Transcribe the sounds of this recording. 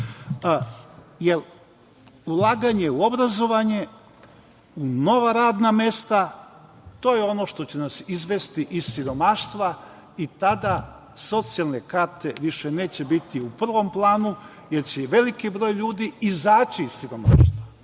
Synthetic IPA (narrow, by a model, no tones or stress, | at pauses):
jel | ulˠaːɡaɲe̞uo̞bɾazo̞ʋaɲe̞ | uno̞ʋaɾaːd̪namje̞st̪a | t̪o̞ːjeo̞no̞ʃt̪o̞t͡ɕe̞nasizʋe̞st̪iʔizsiɾo̞maʃt̪ʋa | it̪ad̪a | so̞t̪sialˠne̞kaɾt̪e̞ʋiʃene̞ːt͡ɕe̞bit̪iupr̩ʋo̞mplˠaːnu | je̞ɾt͡ɕeʋe̞likibɾo̞ːjʎuːd̪iizaːt͡ɕiːssiɾo̞ma̰ːʃt̪ʋa